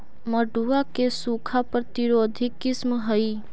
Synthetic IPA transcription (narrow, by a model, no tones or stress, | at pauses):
məɖuakesuːkʰapɾət̪ɪɾoːd̪ʱɪkːɪsmɦəiː